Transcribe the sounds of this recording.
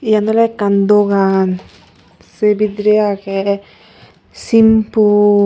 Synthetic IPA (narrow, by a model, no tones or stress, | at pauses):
janalɛkand̪oɡan | sebid̪ɾeakɛ | simpu